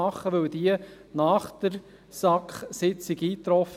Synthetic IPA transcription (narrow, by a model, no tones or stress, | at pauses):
ɑχːəʋɵwd̥̪iə | nɑːχd̪̥əɾ | sɑkχsɪt͡siɡiːt̪ɾɔf